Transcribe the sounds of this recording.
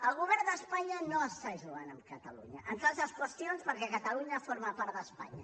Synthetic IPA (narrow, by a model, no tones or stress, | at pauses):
ɐlˠɣuβɛɾnd̪ɐspaɲɐnõsaʒluanɐmkɐt̪ɐlˠuɲɐʔɐ̃nk̪azɐskwəst̪jõnspɐɾkɛkɐt̪ɐlˠuɲɐfɔɾmɐpaɾt̪ðɐspa̰ɲɐ̰